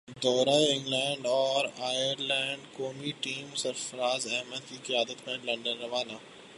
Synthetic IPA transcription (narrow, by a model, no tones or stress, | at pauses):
d̪ɔːɾaeɪ̃ŋɡlɛ̃ːɳɖɔːɾaːjəɾlɛ̃ːɳɖkoːmiʈiːmsɐɾfəɾaːzɛɦməd̪̚kiqɪjaːd̪ət̪mẽlɐ̃ɳɖənɾɐʋaːnaː